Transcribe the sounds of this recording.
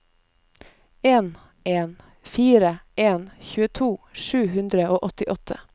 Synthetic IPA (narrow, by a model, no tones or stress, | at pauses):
eːn | ʔeːn | fiːɾəʔeːnçʉːət̪ʰuːʃʉːhʉnd̪ɾəoːʔɔt̪ɪʔɔt̪ʰə̰